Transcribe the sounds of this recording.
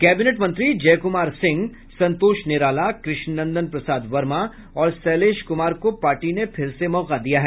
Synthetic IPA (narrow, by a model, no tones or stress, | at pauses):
kɛːbineʈmɐ̃nt̪ɾid͡ʒɛːkʊmaːɾsɪ̃ŋɡ | sɐ̃nt̪oːʃnɪɾaːlakɾɪʃnnɐ̃nd̪ənpɾɐsaːd̪ʋɐɾma | ɔːɾsɛːleːʃkʊmaːɾkopaːɾʈinepʰɪɾsemɔːqad̪ijaɦɛː